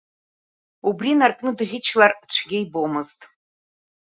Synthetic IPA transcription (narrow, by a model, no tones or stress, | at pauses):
ubrinarkʼnɨdɨʁʲɪt͡ʃʰlart͡ɕʷʰɡʲejbomɨztʼ